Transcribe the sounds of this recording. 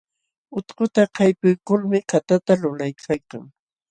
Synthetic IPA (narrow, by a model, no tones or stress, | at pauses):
ʊt̪qʊt̪aqʰɑjpʊjkʊlmɪkat̪at̪alʊlajkʰajka̰ŋ